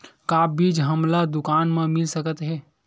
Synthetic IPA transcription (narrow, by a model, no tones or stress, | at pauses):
kaːbiːd͡ʒɦəmlad̪ʊkaːnmãmɪlsəkət̪ɦɛː